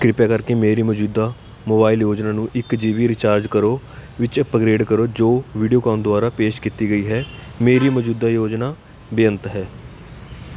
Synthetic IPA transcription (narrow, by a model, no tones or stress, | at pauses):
kɾɪpaːkəɾkeːmeːɾiːməd͡ʒuːd̪aː | moːbaːɪljoːd͡ʒnaːnũːʔɪkd͡ʒiːʋiːɾɪt͡ʃaːɾd͡ʒkəɾoː | ʋɪt͡ʃəpəɡɾeːɖkəɾoːd͡ʒoːʋiːɖijoːkãːnd̪ʊaːɾaːpeːʃkiːt̪iːɡəiːɦɛː | meːɾiːməd͡ʒuːd̪aːjoːd͡ʒnaː | bɪjənt̪ɦɛː